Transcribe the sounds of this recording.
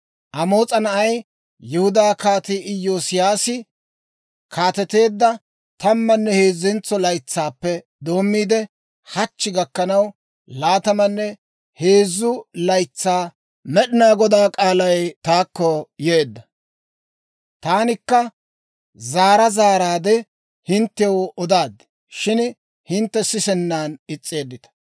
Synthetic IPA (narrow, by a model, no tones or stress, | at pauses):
ʔɐmo̞ːt͡sʼɐnɐʔɐj | jɪhʊd̪aːkaːt̪ɪɪjoːsɪjaːsɪ | kʰaːt̪ɛt̪e̞ːd̪ːɐ | t̪ɐmːɐnːɛhe̞ːzːɛnt͡sːɔlɐjt͡sːaːpːɛ | d̪o̞ːmːiːd̪ɛ | hɐt͡ʃːɪɡɐkːɐnɐw | laːt̪ɐmɐnːɛ | he̞ːzːʊlɐjt͡sːaː | mɛɗɪnaːɡɔd̪aːkʼaːlɐjt̪aːkːɔjeːd̪ːɐ | t̪aːnɪkːɐ | zaːɾɐzaːɾaːd̪ɛ | hɪnt̪ːɛwɔd̪aːd̪ɪ | ʃɪn | hɪnt̪ːɛsɪsɛnːaːnɪt͡sʼːe̞ːd̪ːɪt̪ɐ̥